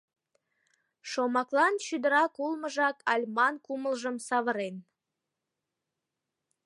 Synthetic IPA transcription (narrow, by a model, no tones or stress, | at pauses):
ʃomɑklˠɑnʃyd̪əɾɑkulˠməʒɑkʰɑlʲmɑnkuməlʒəmsɑβəɾen